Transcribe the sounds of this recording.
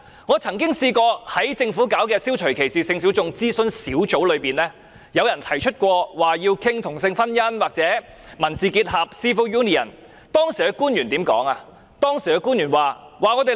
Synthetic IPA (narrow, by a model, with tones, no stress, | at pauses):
ŋɔː˨˧t͡sʰɐ˨˩ŋkɪ˥ŋsiː˧kɔː˧hɐ˨˥jt͡sɪ˧ŋfuː˨˥kaː˨˥wkɛː˧siː˥wt͡ʃʰɵ˨˩ɥkʰe˨˩jsiː˨˩sɪ˧ŋs̬i˨˥wt͡sʊ˨˧ŋt͡siː˥sɵ˧nsiː˨˥wt͡so˨˧˥wlɵ˨˧ɥpiː˨˩nlɛː˥ | jɐ˨˧wjɐ˨˩nt̪ʰɐ˨˩jt͡ʃʰɵ˥t̚kʷɔː˧waː˨˩jiː˧wkʰɪ˥ŋt̪ʰʊ˨˩ŋsɪ˧ŋfɐ˥njɐ˥nwaː˨k̚t͡sɛː˨˥ | mɐ˨˩nsiː˨kiː˧t̚hɐ˨p̚siː˥fo˧wjuː˥ni˨ɐ̰˨˩n | t̪ɔː˥ŋsiː˨˩ɛ˨˧kuː˥njyː˨˩nt̪iː˨˥mkɔ̰ː˨˥ŋa˧ | t̪ɔː˥ŋsi˨˩ɛ˧kuː˥njyː˨˩nwaː˨waː˨˩ŋɔː˨˧t̪e˨